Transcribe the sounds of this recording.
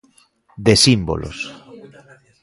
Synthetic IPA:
d̪esimbo̰lʔo̰s

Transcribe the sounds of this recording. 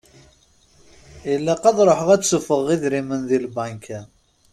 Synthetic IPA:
jəlːæqɑðˤɾˤoħəʁæt͡sːufəʁiðɾimənðilbænkʰæ

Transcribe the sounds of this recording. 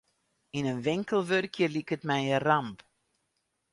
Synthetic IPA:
inənʋɪŋkəlˠʋørkjəlikətmɛjəramp

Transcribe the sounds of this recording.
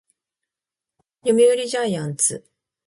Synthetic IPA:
jomʲioɾʲiʑajãnt͡sɨ̰

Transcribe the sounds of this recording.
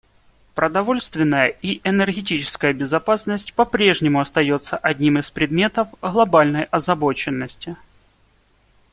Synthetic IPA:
pɾəd̪ɐvo̞lʲst̪vʲɪnːəjəʔiʔɛnərɣʲɪt̬ʲit͡ɕɪ̥skəjəbʲɪzɐpasnəsʲtʲpɐpɾʲe̞ʐnʲɪmʊɐst̪ɐjo̞t̪səʔɐdʲnʲimɨspɾʲɪd̪mʲe̞t̪əfɣlˠɐbalʲnəjɐzɐbot͡ɕɪnːəsʲtʲɪ

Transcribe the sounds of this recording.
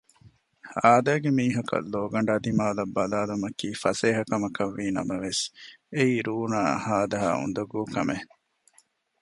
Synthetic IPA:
aːd̪æːɡemiːɦɐkɐ̰lːoːɡɐɳ̆ɖaːd̪imaːlɐbːɐlaːlumɐkiːfɐseːɦɐkɐmɐkɐʋːiːnɐ̰mɐʋeseiːɾuːnaːhaːd̪ɐɦa̰ːṵnd̪ɐɡuːkɐ̰me

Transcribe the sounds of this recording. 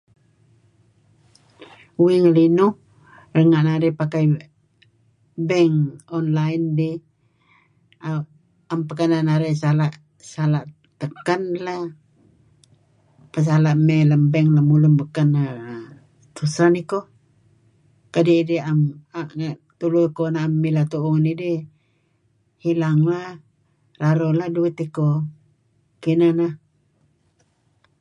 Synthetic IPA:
wiŋlinu | rəŋaʔnaɾipakaj | bɛŋɔnlaindi | a | ampəkananaɾɛsalaʔ | salaʔ | t̪əkanla | pəs̬alaʔmɛləmbɛŋlamulumbəkana | t̪usaniko | kadiidiamat̪ulukonaːmːilat̪uʔuŋanidi | hilaŋla | raɾoladuit̪iko | kinana

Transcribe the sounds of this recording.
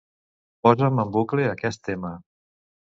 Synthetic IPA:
pɔzəməmbukleəkɛst̪emə

